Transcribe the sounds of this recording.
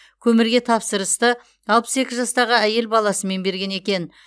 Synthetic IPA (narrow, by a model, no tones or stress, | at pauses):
kʲʰɵmɪɾɡʲe̞t̪ʰɑpsəɾəst̪ə | ɑlˠpə̥se̞kʲɪzʒɑst̪ɑʁəæje̞lbɑlˠɑsəme̞nbe̞ɾɡʲe̞ne̞kʲe̞n